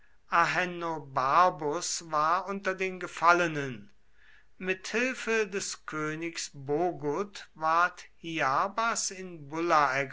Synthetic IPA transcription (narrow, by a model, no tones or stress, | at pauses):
ʔaɦɛnobaɐbʊsvaːɐʔʊntɐdeːnɡəfalənən | mɪthɪlfədɛskʰøːnɪksboːɡʊtvaɐthiabasɪnbʊlaɛɐɡ